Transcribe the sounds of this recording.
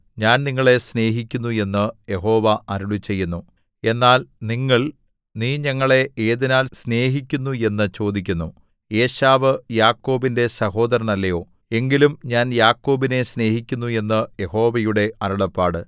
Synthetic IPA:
ɲaːnniŋːɐɭe̞sne̞ːɦikʲːunːue̞nːɨje̞ɦo̞ːʋɐʔɐɾuɭut͡ɕːe̞jːunːu | e̞nːaːlniŋːɐɭ | niːɲɐŋːɐɭe̞eːðinaːlsne̞ːɦikʲːunːue̞nːɨt͡ɕo̞ːd̪ikʲːunːu | e̞ːɕaːʋɨjaːkːo̞ːbinde̞sɐho̞ːd̪ɐɾɐɳɐlːɐjo̞ː | e̞ŋɡilumɲaːnjaːkːo̞ːbine̞sne̞ːɦikʲːunːue̞nːɨje̞ho̞ːʋɐjuɽe̞ɐɾuɽɐpːaːɽɨ

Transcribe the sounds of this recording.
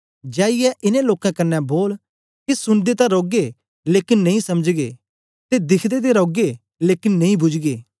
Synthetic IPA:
d͡ʒaːɪjɛʔɪnẽloːkãkɐnːɛboːl | kisʊnd̪et̪ãɾoːɡe | leːkɪnːɐ̃ĩsɐmd͡ʒɡḛː | t̪ed̪ɪkʰd̪et̪̬eɾoːɡe | leːkɪnːɐ̃ĩbʊd͡ʒɡeː

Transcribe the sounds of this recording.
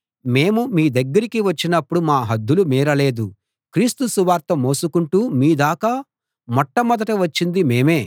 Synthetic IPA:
me̞ːmumiːd̪ɐɡːɐɾikiʋɐt͡ʃːinɐpːuɽumaːɦɐd̪ʱːulumiːɾɐle̞ːd̪u | kɾiːst̪usuʋaːɾt̪ɐmo̞ːsukuɳʈuːmiːd̪aːkɐ | mɔʈːɐmɐd̪ɐʈuʋɐt͡ʃːind̪ime̞ːme̞ː

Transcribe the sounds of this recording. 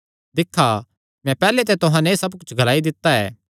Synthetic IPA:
d̪ɪkʰːa | mɛ̃pɛːlet̪̬ɛt̪ʊɦãnɛsɐbkʊt͡ʃʰɡʱɐlaːid̪ɪt̪ːaɛ̰ː

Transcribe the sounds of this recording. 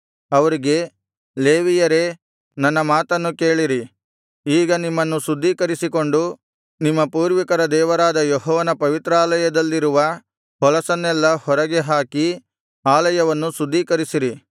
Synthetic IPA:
ɐʋɐɾiɡe̞ | leːʋijɐɾe̞ | nɐnːɐmaːt̪ɐnːuke̞ːɭiɾi | iːɡɐnimːɐnːusud̪ʱːiːkɐɾisiko̞ɳɖu | nimːɐpuːɾʋikɐɾɐd̪ɛːʋɐɾaːd̪ɐjɔɦɔːʋɐnɐpɐʋit̪ɾaːlɐjɐd̪ɐlːiɾuʋɐ | hɔlɐsɐnːɛlːɐhɔɾɐɡeɦaːki | aːlɐjɐʋɐnːusud̪ːiːkɐɾisiɾi

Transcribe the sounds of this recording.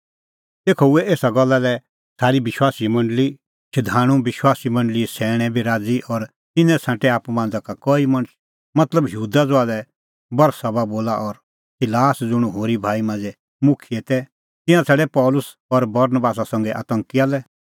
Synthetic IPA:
t̪eːkʰoʊɛeːsaɡɔlːalɛ | t͡sʰaːɾibɪʃwaːsimɐ̃ɳɖəli | t͡ʃʰɐd̪ʱaːɽ̃ũbɪʃwaːsimɐ̃ɳɖəlisɛːɽ̃ɛ̃bʱiɾaːd͡ziʔɔɾ | t̪ɪnɛ̃sʰãːʈɛaːpumãːn̆d͡zakakɔːimɐ̃ɽ̃əs | mɐt̪ləbjuːd̪ad͡zoaːlɛ | bɐɾsɐbaboːlaʔɔɾ | sɪlaːsd͡zʊɽ̃uɦoːɾibʱaːimãːnd͡zɛ | mʊkʰiɛt̪ɛ | t̪ɪ̃ãt͡sʰɛɽɛpɔːlʊs | ɔɾbɐɾnəbaːs̬asɐ̃ŋɡɛʔa̰t̪ə̃ŋkialɛ

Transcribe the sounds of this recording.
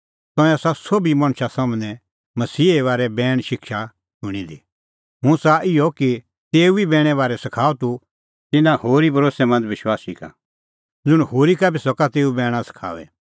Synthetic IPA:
t̪ɔ̃ɛ̃asasoːbimɐ̃ɽ̃ʃasɐ̃mnɛ̃ | mɐsiːeʋaːɾɛbɛːɽ̃ʃɪkʃa | ʃʊɽ̃id̪i | ɦʊ̃saʔɪɔki | t̪eːuibɛ̃ːɽ̃ɛ̃ʋaːɾɛsɐkʰaːɔt̪u | t̪ɪnãhoːɾibʱɐɾoːsɛmɐ̃nd͡zʋɪʃwaːsika̰ | d͡zʊɽ̃hoːɾikabisɔkat̪eːubɛːɽ̃ãsɐ̥kʰa̰ːʋɛ̰

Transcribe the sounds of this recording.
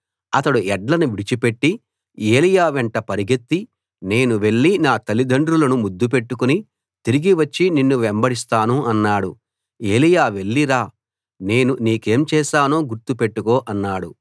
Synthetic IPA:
ɐt̪ɐɽuɛɖlɐnuʋiɽit͡ʃipe̞ʈːi | eːlijaːʋɛɳʈɐpɐɾiɡet̪ːi | ne̞ːnuʋe̞ɭːinaːt̪ɐlid̪ɐɳɖɾulɐnumud̪ːup̬e̞ʈːukuni | t̪iɾiɡiʋɐt͡ʃːininːuʋembɐɽist̪aːnuɐnːaːɽu | e̞ːlijaːʋe̞ɭːiɾaː | ne̞ːnuniːke̞ːmt͡ʃɛːʃaːnoːɡuɾt̪upe̞ʈːukoːʔɐnːaːɽu

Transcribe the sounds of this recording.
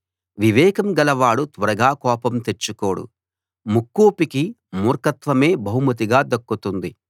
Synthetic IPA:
ʋiʋɛːkɐmɡɐlɐʋaːɽut̪ʋɐɾɐɡaːkɔːpɐmt̪e̞t͡ʃːuko̞ːɽṵ | mukːoːpiki | muːɾkɐt̪ʋɐme̞ːbɐɦumɐt̪̬iɡaːd̪ɐkːut̪und̪i

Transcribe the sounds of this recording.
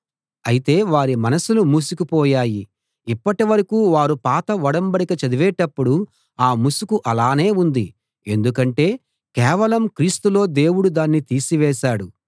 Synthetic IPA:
ɐjit̪e̞ːʋaːɾimɐnɐsulumuːsukipɔːjaːjiː | pːɐʈiʋɐɾɐkuːʋaːɾupaːt̪ɐʋɐɽɐmbɐɽikɐt͡ʃɐd̪iʋɛːʈɐpːuɽu | aːmusukuʔɐlaːne̞ːund̪i | e̞̰nd̪ukɐɳʈe̞ː | kɛːʋɐlɐmkɾiːst̪ulo̞ːd̪e̞ːwuɽud̪aːnːit̪iːsiʋɛːʃaːɽu

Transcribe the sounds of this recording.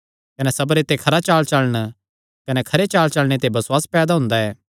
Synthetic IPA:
kɐnɛsɐbɾet̪ekʰɐɾat͡ʃaːlt͡ʃɐɭəɽ̃ | kɐnɛkʰɐɾet͡ʃaːlt͡ʃɐɭɽ̃et̪ebɐswaːspɛːd̪aɦʊ̃nd̪aɛː

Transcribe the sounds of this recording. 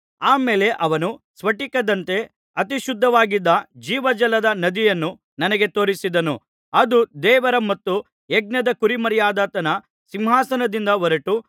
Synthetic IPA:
aːmeːle̞ʔɐʋɐnusʋɐʈikɐd̪ɐnt̪e̞ | ɐt̪iʃud̪ʱːɐʋaːɡid̪ːɐd͡ʒiːʋɐd͡ʒɐlɐd̪ɐnɐd̪ijɐnːu | nɐnɐɡe̞t̪o̞ːɾisid̪ɐnu | ɐd̪ud̪ɛːʋɐɾɐmɐt̪ːu | eɡ̚nɐd̪ɐkuɾimɐɾjaːd̪aːt̪ɐnɐ | simɦaːsɐnɐd̪ind̪ɐʋɐɾɐʈu

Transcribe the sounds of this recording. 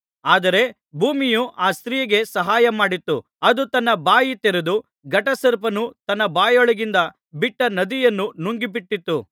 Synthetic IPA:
aːd̪ɐɾe̞ | bʱuːmijuʔaːst̪ɾijɐɡe̞sɐɦaːjɐmaːɽit̪ːu | ɐd̪ut̪ɐnːɐbaːjit̪eɾed̪u | ɡɐʈɐsɐɾpɐnut̪ɐnːɐbaːjɔɭɐɡind̪ɐ | biʈːɐnɐd̪ijɐnːunuŋɡibiʈːit̪ːu

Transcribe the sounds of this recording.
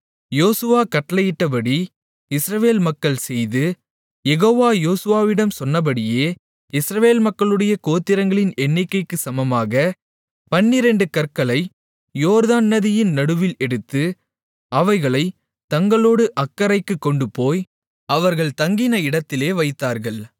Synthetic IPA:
joːsɯʋaːkɐʈːɐlɐjɪʈːɐp̬ɐɽi | ɪsɾɐʋeːlmɐkːɐɭsɛjðɯ | jɛɣoːʋaːjoːsɯʋaːʋɪɽɐmsɔnːɐp̬ɐɽɪjeː | ɪsɾɐʋeːlmɐkːɐɭɯɽɐjɐkoːt̪ːɪɾɐŋɡɐɭɪnɛɳːɪkːɐɪkːɯsɐmɐmaːɣɐ | pɐnːɪɾɛɳɖɯkɐɾkɐɭɐɪ | joːɾðaːnːɐðɪjɪnnɐɽɯʋɪlɛɽɯt̪ːɯ | ɐʋɐɪɣɐɭɐɪ | t̪ɐŋɡɐɭoːɽɯʔɐkːɐɾɐɪkːɯkːɔɳɖɯpoːj | ɐʋɐɾɣɐɭt̪ɐŋɡɪnɐɪɽɐt̪ːɪleːʋɐɪt̪ːaːɾɣɐɭ

